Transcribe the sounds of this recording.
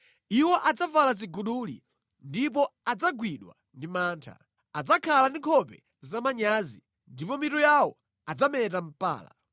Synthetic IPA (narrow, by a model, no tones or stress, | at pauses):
iwɔʔad͡zavalaziɡuɗuːlḭ | ndipɔad͡zaɡwiɗwa̰ | ndimaːntʰa̰ | ad͡zakʰalandiŋkʰɔpɛ | zamaɲaːzi | ndipɔmitɔjawɔ | ad͡zamɛtam̩pa̰ːla̰